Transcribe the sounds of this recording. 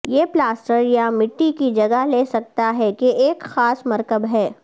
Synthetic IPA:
jeːplaːsʈəɾjamɪʈːikid͡ʒɐɡəɦleːsɐk̚t̪aɦɛkeʔeːkxaːsmɐɾkəbɦɛː

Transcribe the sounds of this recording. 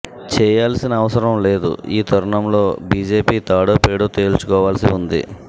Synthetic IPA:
t͡ʃɛːjaːlɐsinɐːʋɐsɐɾɐmle̞ːd̪ṵiːt̪ɐɾɐɳɐmlo̞ːbiːd͡ʒe̞ːpiːt̪aːɽoːpeːɽoːt̪e̞ːlt͡ʃu̥kɔːʋaːlɐsiund̪ḭ

